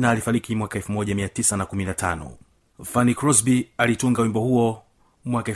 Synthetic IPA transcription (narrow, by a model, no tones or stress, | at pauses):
naːlifaɾikimwakaɛlfumɔʄamiatisanakuminatʰa̰nɔ̰ | fanikɾɔsbialituŋɡawimbɔhuɔ | mwakaɛ